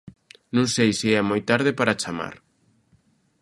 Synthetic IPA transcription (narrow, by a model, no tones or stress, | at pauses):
nũŋsejsiɛmojt̪aɾð̞ɪpaɾat͡ʃama̰ɾ